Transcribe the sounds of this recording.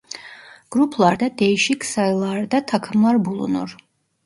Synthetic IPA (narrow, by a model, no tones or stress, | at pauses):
ɡ̥ɾupʰlˠaɾd̪ad̪ɛjʃikʰsalˠaɾd̪at̪ʰakʰmlˠaɾbulˠṵnɔ̰ɾ